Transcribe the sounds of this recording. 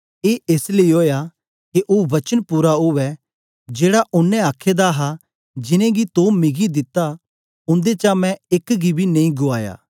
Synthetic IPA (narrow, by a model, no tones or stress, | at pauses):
eːʔeːsleioːja | keʔoːʋɐt͡ʃənpuːɾaɦʊʋɛ | d͡ʒeːɽaʔʊnːɛ̃aːkʰːed̪aɦa | d͡ʒɪnẽɡit̪oːmɪɡid̪ɪt̪ːa | ʊ̃nd̪et͡ʃamɛ̃ɪkɡibʱinɐ̃ĩɡʊaːja̰ː